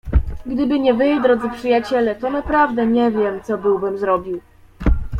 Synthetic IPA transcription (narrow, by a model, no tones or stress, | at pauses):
ɡd̪ɘbɘɲɛvɘjd̪ɾɔd̪zɘpʂɘjat͡ɕɛlɛt̪ɔnapɾavd̪ɛɲɛvʲjɛmt̪sɔbɘwbɘmzɾɔbʲiw